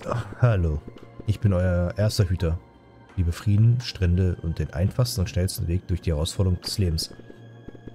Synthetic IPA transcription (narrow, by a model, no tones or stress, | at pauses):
haloːʔɪçb̥ɪnʔɔʏɐʔeːɐstɐɦyːtʰɐ | liːbəfʁ̥iːdn̩ʃtʁ̥ɛndəʔʊ̰nt̚d̥eːnʔa̰ɪnfaχstn̩ʊntʃnɛlstn̩veːk̚d̥ʊɐçd̥iːhɛʁaʊsfɔɐɾəʁʊŋd̥ɛsleːbm̩s